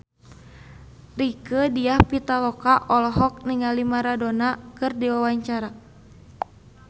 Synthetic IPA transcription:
rikədiahpit̪alɔkaʔɔlɔɦɔk̚niŋalimaɾadonakɨrdiwawaɲt͡ʃaɾa

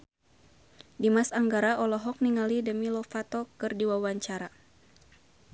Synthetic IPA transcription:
dimasaŋɡaɾaʔɔlɔɦɔk̚niŋalidəmilɔfat̪ɔkɨrdiwawaɲt͡ʃaɾa

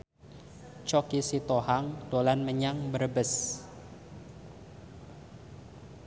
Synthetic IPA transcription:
t͡ʃɔkisit̪ohaŋd̥olanməɲaŋbəɾbəs

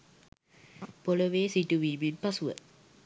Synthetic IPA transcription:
poloʋeːsiʈuʋiːbipasuʋə̰

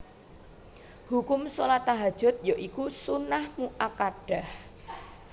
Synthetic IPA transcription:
hukʊmsolat̪aɦad̥ʒ̥ʊ̤t̪̚joʔikusunahmuʔakaɖ̥ah

